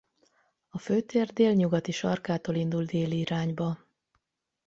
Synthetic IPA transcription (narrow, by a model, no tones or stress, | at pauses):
ɒføːt̪eːrd̪eːlɲuɡɒt̪iʃɒrkaːt̪oːlind̪uld̪eːliːɾaːɲbɒ